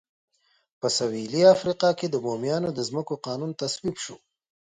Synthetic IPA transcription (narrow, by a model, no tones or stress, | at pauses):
pəsawiliafɾiqɑked̪əbomjɑːnod̪əzməkoqɑːnunt̪aswibʃo